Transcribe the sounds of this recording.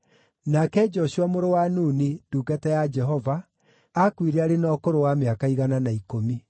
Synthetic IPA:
nakɛd͡ʒɔʃuamoɾowanuːniduːɡatɛjad͡ʒɛɦɔva | akwiɾɛaɾenɔkoɾowameakaiɣananaikomi

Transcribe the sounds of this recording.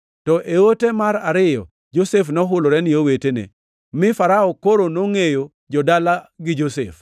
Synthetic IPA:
tɔʔeotemaɾaɾɪjɔ̰ | d͡ʒosefnɔɦʊlɔɾɛnɪowetenḛ | mɪfaɾaɔkoɾonoŋejo | d͡ʒɔdalaɡɪd͡ʒosḛf

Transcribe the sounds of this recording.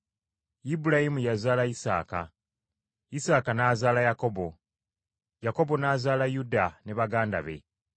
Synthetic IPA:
ibulajimujazaːlaisa̰ːka̰ | isaːkanaːzaːlajako̞bo̞ | jako̞βo̞naːzaːlajudane̞βaɡaːnda̰βe̞̰

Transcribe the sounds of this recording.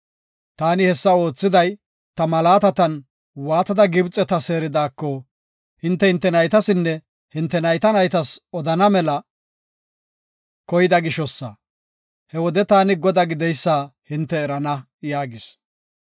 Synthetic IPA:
t̪aːnɪhɛsːɐo̞ːt͡sːɪd̪ɐj | t̪ɐmɐlaːt̪ɐt̪ɐn | waːt̪ɐd̪ɐɡɪbt͡sʼːɛt̪ɐse̞ːɾɪd̪aːkːɔ | hɪnt̪ːɛhɪnt̪ːɛnɐjt̪ɐsɪnːɛ | hɪnt̪ːɛnɐjt̪ɐnɐjt̪ɐsɔd̪ɐnɐmɛlɐ | kɔjɪd̪ɐɡɪʃɔsːɐ̰ | hɛwɔd̪ɛt̪aːnɪɡɔd̪ɐɡɪd̪ɛjsːaːhɪnt̪ːɛːɾɐnɐ | jaːɡɪs

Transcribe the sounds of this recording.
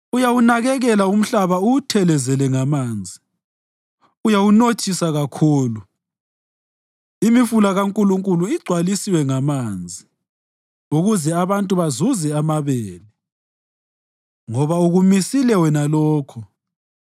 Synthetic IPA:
ujawunaɣɛɣɛlaum̩ɬaβautʰɛlɛzɛlɛŋamaːnd͡zʱi | ujawunot͡ʃʰʼisaɣakʰuːlu | imifulaɣaŋkʼuluŋkʼuluiɡ͡ǀʱwalisiwɛŋamaːnd͡zʱi | uɣuzɛaβantʼuβazuzɛamaβeːli | ŋɔβauɣumisilɛwɛnalɔːkʰɔ

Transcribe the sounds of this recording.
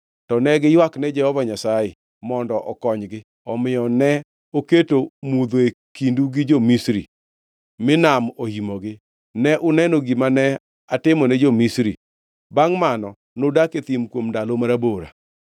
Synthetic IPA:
tɔnɛɡɪjwaknɛd͡ʒɛhɔvaɲasajɪ | mɔndɔʔɔkɔɲɡɪ | ɔmɪjɔnɛ | oketomud̪oe | kinduɡɪd͡ʒomisɾḭ | mɪnamohimoɡɪ | nɛʔʊnɛnoɡimanɛ | atɪmɔnɛd͡ʒomisɾi | baŋmanɔ | nodaket̪imkwomndalomaɾaboɾa̰

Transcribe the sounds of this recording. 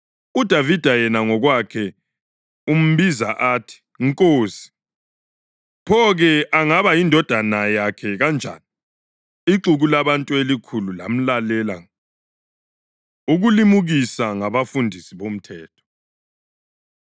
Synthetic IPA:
ud̥ʱavid̥ʱajɛnaŋɔɣwakʰɛ | um̩βiza̰ʔaːtʰi̥ | ŋkʼoːsi̥ | pʰɔɣɛʔaŋaβajindʱɔd̥ʱanajakʰɛɣand͡ʒʱa̰ni | iǁuɣulaβantʼuelikʰulula̰m̩lalɛlaŋ | uɣulimuɣisaŋaβafundʱisiβom̩tʰɛːtʰɔ̥

